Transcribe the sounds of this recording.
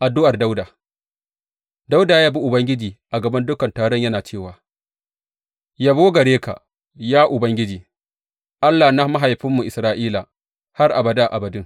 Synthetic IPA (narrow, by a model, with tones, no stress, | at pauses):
ʔa˨dʊ˦ʔa˨rda˦wdaː˨ | da˦wdaː˨jaː˦bi˦ʔʊ˨bɐ˦ŋɡʲɪ˦d͡ʒiː˨ʔa˨ɡɐ˨bɐ˦ndʊ˦kɐ˨ntaː˨ɽɔ˦ɲjɐ˦naː˨t͡ʃeː˦˨waː˨ | jaː˦boː˦ɡɐ˨ɽeː˦ka̰˨ | jaː˦ʔʊ˨bɐ˦ŋɡʲɪ˦d͡ʒiː˨ | ʔa˦lːa˨na˦ma˦ɦa˨jɸɪ˦mːu˨ʔɪ˨sɾaː˦ʔiː˦la˨ | ha˦rʔa˨bɐ˨daː˦˨ʔa˨bɐ˨dʊ˦ŋ